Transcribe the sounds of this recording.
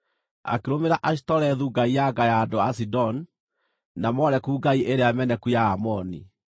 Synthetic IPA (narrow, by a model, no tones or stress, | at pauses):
a̰keɾomeɾaʔaɕi̥tɔɾɛðuːɡaijaɡajaːdoasidɔn | namɔɾɛkuːɡaiʔeɾeamɛnɛkujaːmɔnḭ